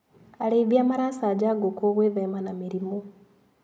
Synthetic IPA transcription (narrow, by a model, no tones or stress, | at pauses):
aɾeːðjamaɾasaːd͡ʒaɡokoɣweðemanamiɾimo